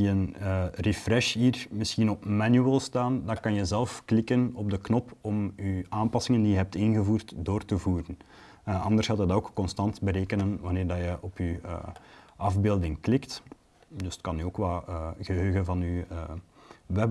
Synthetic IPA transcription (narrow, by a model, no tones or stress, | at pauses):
əənərefrɛʃɦiːrmɪsxinɔpmanjyəlˠstaːndɑkɑnjəzɛlˠfklɪkənɔb̚dəknɔpɔmyaːmpɑsɪŋəndijəɦɛp̚tɪnɣəvuːrtdoːrtəvuːɾən | ʔɑ̰ndərsaːtədɑoːkkːɔnstɑntbəɾeːkənənʋɑneːrdɑjəʔɔpyə̰ɑvbeːlˠdɪŋklɪkt | dɵstkɑnyoːkʋaːɣəɦøːɣənvɑnyəː | ʋɛ